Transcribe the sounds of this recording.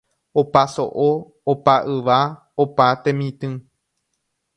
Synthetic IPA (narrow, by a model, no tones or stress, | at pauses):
opaso̰ʔo | opaʔɨʋa | opat̪ẽmĩt̪ɨ̃